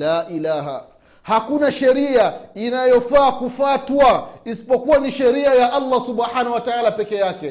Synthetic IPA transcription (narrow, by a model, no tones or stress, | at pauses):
laːʔilaːɦa̰ | hakunaʃɛɾiainajɔfaːkufaːtwaisi̥pɔkuwaniʃɛɾiajaʔalːasuɓħanauwataalapɛkɛjakɛ